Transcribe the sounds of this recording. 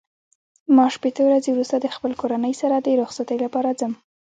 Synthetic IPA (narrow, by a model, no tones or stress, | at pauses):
mɑʃpet̪əwɾazewɾust̪ad̪əxpəlkoɾanəjsaɾad̪əɾoxsat̪əjlapɑɾad͡zəm